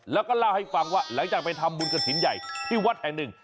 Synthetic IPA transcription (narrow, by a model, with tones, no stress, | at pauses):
lə˦˥kɔ˨˦˥laː˧wha˧jfaː˧˩ŋwaː˧˩la̰ː˧˥ŋt͡ɕaː˨˩va˨˧˩t̪ʰa˧mːu˨˦nkə˨˩t͡ɕʰḭ˨˦nza̰˨˩jhi˧waː˦˥t̚hɛ˧˩ɗɨ˨˩ŋ